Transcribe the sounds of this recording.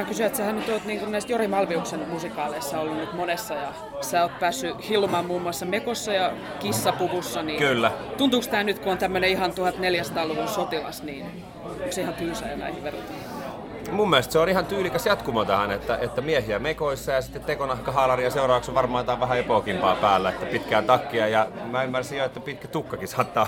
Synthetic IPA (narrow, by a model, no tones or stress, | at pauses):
ɑkysyæet̪sehænyt̪oːt̪niːŋkunæist̪jorimɑlʋiuksenmusikɑːleisːɑolːunnyt̪monesːɑjɑ | sæːoːt̪̚pæːsːyhilːumɑmmuːmːuɑsːɑmekosːɑjɑ | kisːɑpuʋusːɑnikylːæt̪unt̪uːkst̪æːnyt̪kuont̪æmːøneihɑnt̪uhɑt̪neljæsɑ̥t̪ɑːluʋunsot̪ilɑ̰sniːn | ukseihɑnt̪yːsɑ̰jɑnæ̰ihiʋʋerut̪e | mumːelest̪seonihɑnt̪yːlikæsjɑt̪kumɑt̪ɑhɑnet̪ːæʔet̪ːæmiehiæmekoisːɑjɑsit̪ːet̪t̪ekonɑhkɑɦɑːlɑriɑseurɑːʋɑksʋɑrmɑːt̪ɑːʋʋæɦæepoːˑkimpɑːpæːlːæet̪ːæpit̪kæːnt̪ɑkːiɑjɑmæymːærsijoet̪ːæpit̪kæt̪ukːɑkisɑːt̪ːɑː